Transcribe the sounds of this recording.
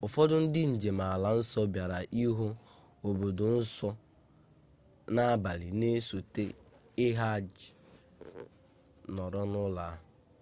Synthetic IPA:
ʊ˨fɔ˦dʊ˦n̩˦dɪ˦n̩˨d͡ʒe˨m̩a˨a˨la˨n̩˦sɔ˦bja˨ɾa˨ʔi˦ɦo˦ | o˨bo˨dʊ˨n̩˦sɔ˦ | na˦a˦ba˨li˨ne˦so˨te˦ | ɪ˦ɦa˦d͡ʒɪ˨ | nɔ˨ɾɔ˦nʊ˦la˦

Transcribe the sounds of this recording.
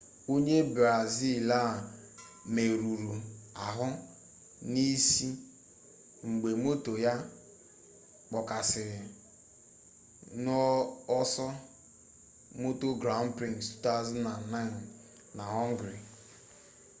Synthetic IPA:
o˦ɲe˦bɾa˨zi˦˨la˦˨ | me˨ɾu˨ɾu˨a˨ɦʊ˦ | ni˦si˦ | ŋ͡m̩˨ɡ͡be˨mo˦to˨ja˦ | k͡pɔ˨ka˨sɪ˨ɾɪ˨ | nɔ˦ɔ˦sɔ˦ | mo˦to˦ɡɾa˦ʊ˦n˦pɾi˦˨ŋstu̥˦ta˦zɔ˦na˨n˨na˦ɪ˨n | na˨ɔ˦ŋ̩˦ɡɾɪ˨

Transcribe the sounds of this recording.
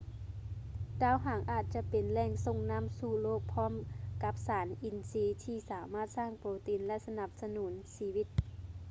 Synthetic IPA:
daː˧˥˨wɦaː˨˩˦ŋʔaː˨˩t̪̚t͡ɕa˧˦pe˨nlɛː˧˩ŋso˧˨ŋna˧˥˨msuː˧˩loː˥˩k̚pʰɔː˧˥˨mka˧˦p̚saː˩˨˦nʔi˨˩nsiː˧˦t̪ʰiː˧˩saː˨˦maː˥˩t̪̚saː˧˥˩ŋpoː˨˦t̪i˨˦nlɛ˧˥ʔsa˧na˧˩p̚sa˧nuː˩˦nsiː˧wi˧˩t̪̚

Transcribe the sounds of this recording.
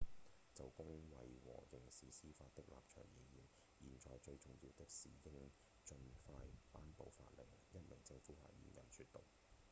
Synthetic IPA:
t͡sɐ˨wkʊ˥ŋwɐ˨jwɔ̰ː˨˩jɪ˨˩ŋsiː˨˥siː˥faː˧t̚t̪ɪ˥k̚la̰ː˨p̚t͡ʃʰœ̰ː˨˩ŋji˨jiː˨˩n | jiː˨˩nt͡ʃɔː˨jt͡ʃɵ˧ɥt͡sʊ˨ŋjiː˧wt̪ɪ˥k̚sḭː˨˩jɪ˥ŋ | t͡ʃɵ˧nfaː˧jpaː˥npo˨˧wfa̰ː˧t̚lɪ˨˩ŋjɐ˥t̚mɪ˨˩ŋt͡sɪ˧ŋfuː˨˥ha̰ː˧˩jḭː˨˩njɐ˨˩nsyː˧t̚t̪o˨ŋ

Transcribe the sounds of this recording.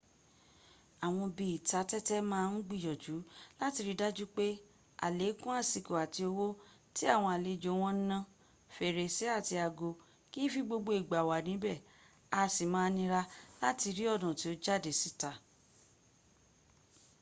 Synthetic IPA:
a˨w̃ɔ̃˧bi˨i˨ta˨˦tɛ˦tɛ˦mãː˦˧n̩˦ɡ͡bi˦˨jɔ˨d͡ʒu˨˦la˦ti˧ɾi˦da˦d͡ʒu˦k͡pe˦ | a̰˨le˨˦kũ˦a˦˨si˨ko˨a˨ti˧o˧wo˦ | ti˦a˦˨w̃ɔ̃˧a˨le˨˧d͡ʒo˨˦w̃ɔ̃˦n̩˦nã˧ | fe˨ɾe˨se˨˦a˦˨ti˧a˨ɡo˧ | ki˦fi˧ɡ͡bo˧ɡ͡bo˧i˨ɡ͡ba˨wa˨nĩ˨˦bɛ˦˨ | a˧si˨mãː˨˧˦nĩ˧ɾa˧la˦ti˧ɾi˦ɔ˦˨dɔ̃˨ti˨˦o˦d͡ʒa˦˨de˨si˦ta˧

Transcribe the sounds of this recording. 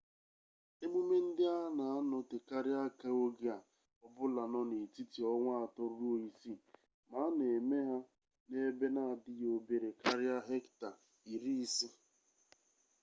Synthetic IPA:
e˦mu˦me˦n̩˦dɪ˦a˦na˨a˦nʊ˨te˨ka˦ɾɪ˦a˦ka˦o˦ɡɪ˦a˨ | ɔ˦bʊ˦la˨nɔ˦ne˨ti˦ti˨ɔ˦ŋʷa˦a˨tɔ˦ɾo˦i˦si˦ | ma˨˦ne˨me˦ɦa˦ | ne˦be˦na˦a˨dɪ˦jo˦be˨ɾe˨ka˦ɾɪ˦a˦ɦe˦kta˨ | i˨ɾi˦si˦

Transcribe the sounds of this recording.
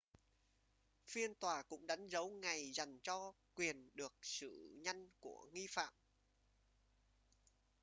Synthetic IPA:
fi˧ənt̪waː˨˩kʊ̰˧˥ŋ͡mɗa˨˦jŋ̟zə˨˦wŋa˨˩jza˨˩jŋ̟t͡ɕɔ˧kwi˨˩ənɗɨ˨˩ək̚sɨ̰˧˩ɲa˧jŋku˧˩əŋi˧fa̰ː˧˨m

